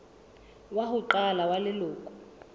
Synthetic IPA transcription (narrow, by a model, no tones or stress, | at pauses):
waɦʊǃalawalɪloːkʼu̥